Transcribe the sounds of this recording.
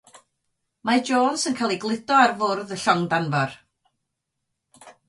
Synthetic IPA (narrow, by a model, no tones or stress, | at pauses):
mad͡ʒoːnsənkʰalˠiɡlˠɪdɔarvʊrðəɬɔŋdanvɔr